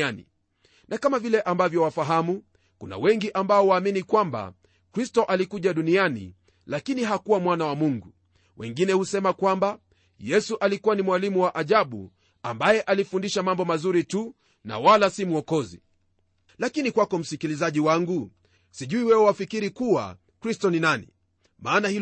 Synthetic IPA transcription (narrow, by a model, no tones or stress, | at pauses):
anḭ | nakamavilɛʔambavjɔwafaɦamu | kuna̰wɛŋɡiʔambaɔwaːminikwamba̰ | kɾistɔʔalikuʄaɗunianḭ | lakiniɦakuwamwanawamuŋɡu | wɛ̰ŋɡinɛhusɛmakwamba | jɛsuʔalikuwanimwalimuwaʔaʄaɓṵ | a̰mbajɛʔalifundiʃamambɔmazuɾitu | na̰walasimuɔkɔzḭ | lakinikwakɔm̩sikilizaʄiwaŋɡu | siʄuiwɛwɔwafikiɾikuwa̰ | kɾistɔninanḭ | maːnahi